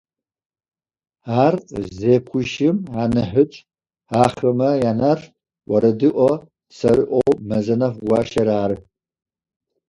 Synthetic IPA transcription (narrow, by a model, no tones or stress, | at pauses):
aːrzeːpkʷʰʊʃɪmʕanɨħʊt͡ʃʼ | aːχɐmɐjanɐr | wʷɐɾɐdɨʔʷɔ | sɐɾɨʔʷowmɐzɐnɐfʷɡʷɑːʃɐɾaːɾɨ